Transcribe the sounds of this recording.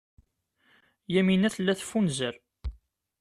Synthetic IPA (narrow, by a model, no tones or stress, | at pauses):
jæminæθlːæθfːunzəɾ